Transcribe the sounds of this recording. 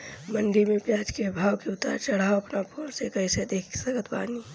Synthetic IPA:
məɳɖimẽpjaːd͡ʒkebʱaːwkeʊt̪a̰ːɾt͡ʃɐɽ̤aːoɐpnapʰoːnsekɐised̪eːkʰsəɡət̪waːni

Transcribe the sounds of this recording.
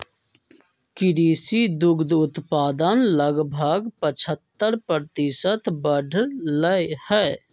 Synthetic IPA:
kɪɾiːsid̪ʊɡd̪ʊt̪paːd̪ənləɡbʱəɡpət͡ʃʰət̪ːəɾpɾəɾt̪ɪsət̪bəɖʱləhɛː

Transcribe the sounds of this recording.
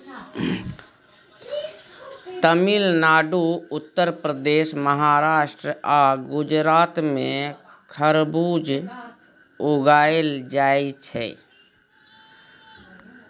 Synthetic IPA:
t̪əmilnaɖuʊt̪ːəɾpɾəd̪eʃməɦaɾaːʃʈɾəaɡud͡ʒɾat̪mẽ | kʰəɾbud͡ʒ | oɡaeld͡ʒaet͡ʃʰɛ̰

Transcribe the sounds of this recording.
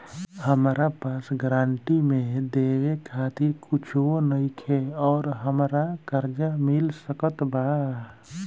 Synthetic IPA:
həmɾapaːsɡɾãːɳʈimẽd̪ewekʰaːt̪ɪɾkʊt͡ʃʰwonəɪkʰeɔːɾɦəmɾakəɾd͡ʒamɪlsəkət̪ba

